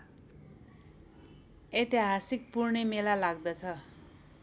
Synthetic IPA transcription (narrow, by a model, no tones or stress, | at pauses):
et̪iɦasik̚purnemelalaɡd̪ʌt͡sʰʌ